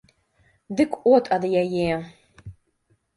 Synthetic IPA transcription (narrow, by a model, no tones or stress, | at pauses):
dɨkʷʼotʼad̪ɨjaje